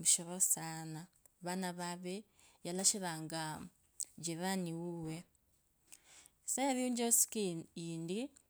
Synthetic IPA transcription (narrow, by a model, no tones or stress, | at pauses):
muʃoβosanaβanaβaβe | jalaʃiɾaŋɡa | d͡ʒiβaniwuwe | sajaɾiuɲd͡ʒosi̥kiːndi